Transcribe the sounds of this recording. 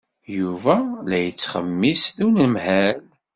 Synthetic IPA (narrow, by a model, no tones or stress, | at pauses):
juvælæjət͡sːχə̰mːisðunəmhæl